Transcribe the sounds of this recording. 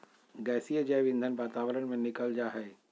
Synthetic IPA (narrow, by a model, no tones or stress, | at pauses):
ɡɛːsijad͡ʒɛːʋɪ̃nd̪ʱənʋaːt̪aːwəɾənmẽnɪkəld͡ʒaːɦɛː